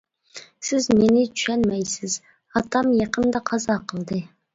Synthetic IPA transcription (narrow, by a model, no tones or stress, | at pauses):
sɪzmenɪt͡ʃy̥ʃænmæjsɪz | ɑt̪ʰɑmjɑqənd̪ɑqʰɑzɑqəlˠd̪ɨ